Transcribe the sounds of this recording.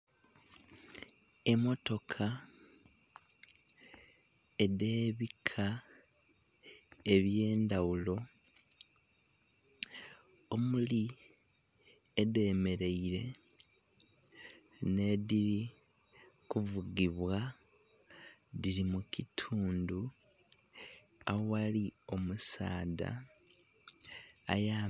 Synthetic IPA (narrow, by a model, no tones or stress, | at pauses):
e̞mo̞to̞kʰa | e̞ðe̞ːβikʰa | e̞βje̞ːndawulo̞ | omuli | ede̞ːme̞ɾe̞iɾe̞ | ne̞ðiɾi | kuvuɡiβwa | ðiɾimukitʰuːndu | awalio̞musa̰ːda̰ | ja